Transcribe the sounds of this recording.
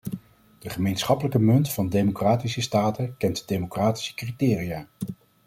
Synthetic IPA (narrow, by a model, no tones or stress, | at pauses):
d̥əχəmejnsχɑpələkəmɵntfɑndejmokraːtisəstaːtəkɛntdejmokraːti̥sə̥kritɪːrijaː